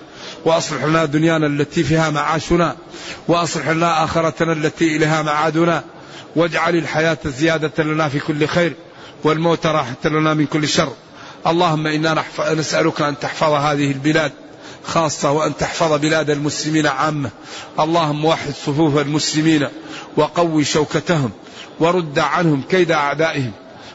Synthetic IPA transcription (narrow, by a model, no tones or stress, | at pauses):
wɪʔɑsˤlɪħlanad̪ʊnjaːnalːat̪ifiːhamaʕaːʃʊna | wɪʔɑsˤlɪħlanaʔaːxɪɾˤɑt̪nalːat̪iʔɪleːɦamaʕaːd̪ʊna | wad͡ʒʕalalħajaːt̪azːɪjaːd̪alanafikʊlːxeːɾ | wɪlmoːt̪aɾˤɑːħat̪lanamɪnkʊlːʃɑrˤː | ʔɑlˤːɑːhʊmːaʔɪnːaħnasʔalʊkaʔant̪ɪħfɑðˤɦaːðɪhɪlbɪlaːd̪̚ | xɑːsˤːɑwɪʔant̪aħfɑðˤbɪlaːd̪almʊslɪmiːnaʕaːmːa | ʔɑlˤːɑːhʊmːawaħːɪd̪sˤʊfuːfalmʊslɪmiːnwʔɑqɑwːiʃawkat̪aɦʊm | wɑɾˤʊd̪ːaʕanhʊmkajd̪aʔaʕd̪aːʔɪhɪm